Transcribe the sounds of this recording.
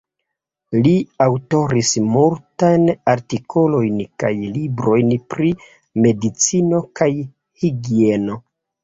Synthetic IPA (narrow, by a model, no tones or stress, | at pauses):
liawto̞ɾismultajnaɾtikʰo̞lo̞jnka̰jlibɾo̞jnpɾi | me̞dit͡sino̞kaj | hiɡie̞no̞